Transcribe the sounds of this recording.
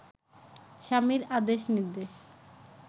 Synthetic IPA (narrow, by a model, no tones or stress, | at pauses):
ʃamiɾad̪eʃniɾd̪eʃ